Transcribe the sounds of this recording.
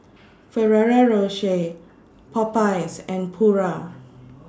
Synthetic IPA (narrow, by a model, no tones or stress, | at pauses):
fɛɹɛɹaɹoʃe | pʰɔpajsɛ̃npʰuɹa